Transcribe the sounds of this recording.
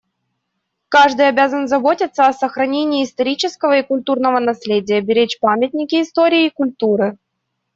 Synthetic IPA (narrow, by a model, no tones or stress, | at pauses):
kaʐd̪ɨjɐbʲazənzɐbo̞tʲɪt̪sːəɐsəxɾɐnʲenʲɪːst̪ɐɾʲit͡ɕɪskəvəɪkʊlʲt̪urnəvənɐsʲlʲedʲɪjəbʲɪɾʲet͡ɕpamʲɪt̪̚ʲnʲɪkʲɪːst̪oɾʲɪːkʊlʲt̪uɾɨ